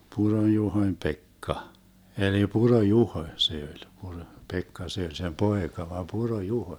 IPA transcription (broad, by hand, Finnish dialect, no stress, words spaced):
puronjuhoĭm pekːɑ eli purojuhoĭ se olʲ puro pekːɑ se olʲ sem poekɑ ʋɑm purojuhoĭ